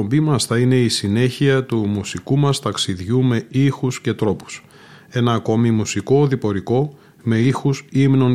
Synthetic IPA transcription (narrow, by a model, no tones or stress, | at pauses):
ombimɐsθɐine̞isine̞çiɐt̪umusikumɐst̪ɐksiðʝume̞ixusce̞t̪ɾo̞pu̥s | e̞nɐːko̞mimusiko̞ðipo̞ɾiko̞ | me̞ixusimno̞n